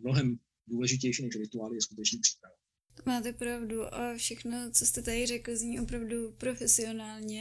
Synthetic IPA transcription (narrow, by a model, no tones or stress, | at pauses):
mnoɦɛm | duːlɛʒɪc̬ɛjʃinɛʃɾɪt̪uaːlɪjɛskut̪ɛt͡ʃɲɛpr̥i̥pɾavɛ | maːt̪ɛpɾavduʔofʃɛxnot͡sost̪ɛt̪adɪrɛkl̩zɲiːʔo̞pɾavdupɾo̞fɛsɪo̞naːlɲɛ